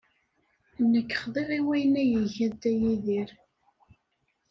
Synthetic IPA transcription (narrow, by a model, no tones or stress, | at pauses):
nːəkːə̥χðˤeʁiwæjənæjəʝæðd̪æjiðiɾ